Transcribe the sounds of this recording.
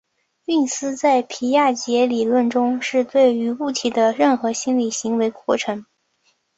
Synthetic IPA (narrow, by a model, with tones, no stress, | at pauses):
y˥˩nsɹ̩˥t͡sa˥˩ɪpʰi˧˥ja˥˩t͡ɕjɛ˧˥li˨˩lwə˥˩nʈ͡ʂʊ˥ŋʂɻ̩˥˧t̪we˥˩ɪy˧˥u˥˩t̪ʰi˨˩d̪ə˦ɻə˥˩nxɤ˧˥ɕi˥nli˨˩ɕi˧˥ŋwe˧˥ɪkwɔ˥˩ʈ͡ʂʰɤ˧˥ŋ